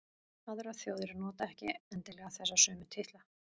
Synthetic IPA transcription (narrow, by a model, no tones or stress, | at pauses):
aðʏɾaθjoːwðɪɾɪnɔːt̪aɛhcɪ̰ɛnt̪ɪlɛɣaθɛsːasœːmɪt̪ʰɪht̪la